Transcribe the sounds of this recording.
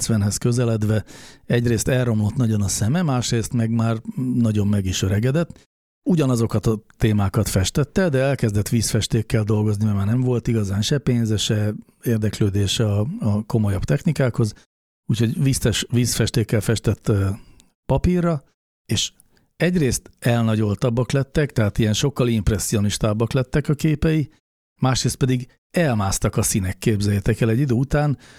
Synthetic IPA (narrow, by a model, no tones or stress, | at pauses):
sʋɛnɦɛskø̞zɛlɛd̪ʋɛɛɟreːst̪ɛlrːo̞mlo̞t̪nɒɟo̞nɒsɛmɛmaːʃreːst̪mɛɡmaːrnɒɟo̞mmɛɡiʃøɾɛɡɛd̪ɛt̪ː | uɟɒnɒzo̞kɒt̪ɒt̪ːeːmaːkɒt̪fɛʃt̪ɛt̪ːɛd̪ɛɛlkɛzd̪ɛt̪ʋiːsfɛʃt̪eːkːɛld̪o̞lɡo̞znimɛmaːrnɛɱvo̞lt̪iɡɒzaːnʃɛpeːnzɛʃɛ | eːrd̪ɛkløːd̪eːʃɒɒko̞mo̞jɒbt̪ɛxnikaːkho̞z | uːcho̞ɟʋiːsɛʃʋiːsfɛʃt̪eːkːɛlfɛʃt̪ɛt̪ː | pɒpirːɒ | eːʃ | ɛɟreːst̪ɛlnɒɟo̞lt̪ɒbːɒklɛt̪ːɛkt̪ɛɦaːt̪ijɛnʃo̞kːɒlimprɛsːio̞niʃt̪aːbːɒklɛt̪ːɛkɒkeːpɛji | maːʃreːst̪̚pɛd̪iɡ | ɛlmaːst̪ɒkɒsinɛkːeːbzɛjɛt̪ɛkɛlɛɟːid̪øːut̪aːn